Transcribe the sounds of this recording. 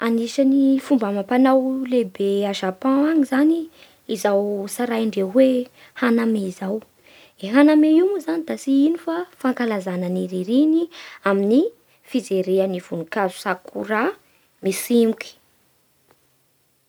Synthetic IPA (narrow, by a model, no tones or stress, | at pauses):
aniʃanifumbamapanawlebeaʒapãaŋizaniː | zawsaɾajɳɖ͡ʐewe | hanameizaw | eɦanameiwmuzanid̪asiinifafaŋkalazanəniɾiɾiniamini | fid͡zeɾeaniv̥unikazu̥sakʰṵɾa | misimuki̥